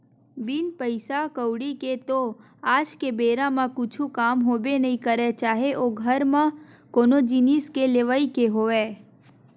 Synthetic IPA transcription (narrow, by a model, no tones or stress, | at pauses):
bɪnpəɪsakəwɽiket̪o | aːd͡ʒkebeːɾãmãkʊt͡ʃʰũkaːmɦoːbenəɦĩkəɾet͡ʃaːɦeʔoɡʱəɾmã | koːnod͡ʒiniskeleʋaikeɦoːʋeː